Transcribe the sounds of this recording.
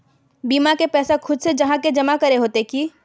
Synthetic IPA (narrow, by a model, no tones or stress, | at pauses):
biːmakepɛːsakʰʊd̪sed͡ʒɐɦãked͡ʒɐmakɐɾeɦoːt̪eki